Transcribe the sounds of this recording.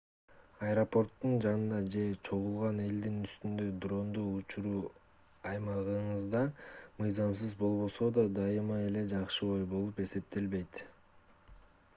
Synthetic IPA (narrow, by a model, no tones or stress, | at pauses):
ɐjɾopo̞rt̪ːund͡ʒɑnɯnd̪ɑd͡ʒe̞t͡ʃʰo̞ʁulˠʁɑne̞ld̪inyst̪ynd̪ø̞d̪ro̞nd̪uːut͡ʃuɾuː | ɑjmɑʁɯɴɯzd̪ɑmɯjzɑms̬ɯzbo̞lˠβo̞so̞d̪ɑd̪ɑjɯmɑe̞le̞d͡ʒɑqʃɯo̞jbo̞lˠupe̞se̞p̚t̪e̞lβe̞jt̪